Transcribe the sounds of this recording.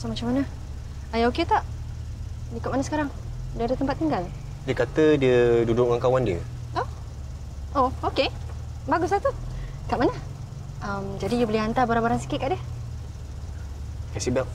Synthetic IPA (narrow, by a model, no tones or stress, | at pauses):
samat͡ʃamanə | ajaoket̪aʔ | likʊʔ̚manasə̥kaɾaŋ | dadət̪əmpat̪ːiŋɡal | diəkat̪ədiədudʊʔ̚ŋaŋkawandiə̰ | o | ooke | baɡʊs̬lat̪u | kaʔmanə | amd͡ʒadijubəliant̪abaɾaŋbaɾansi̥kɪt̪̚kaʔdiə | kasibap̚